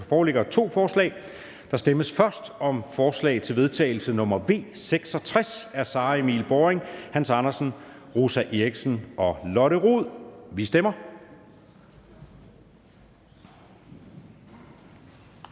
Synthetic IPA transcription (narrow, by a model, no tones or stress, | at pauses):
fɒːleɡ̥ɐt͡sʰo̝̰ːfɒːslɛ̰ːɪ | d̥ɑ̈sd̥eməsfɶɐsd̥ɒ̽mfɒːslɛ̰ɪt͡sʰe̝lʋe̝ð̞ˠt͡sʰɛ̰ːɪl̩sənɔ̽mɐʋe̝̰ːseɡ̥sɒ̽t͡sʰʁɛsæɐsɑ̈ːemḭːlb̥ɒeŋhænsɑ̈nɐsn̩ʁusæʔeɡ̥snɒ̽lɒ̽ɾəʁuð̰ˠʋisd̥emɐ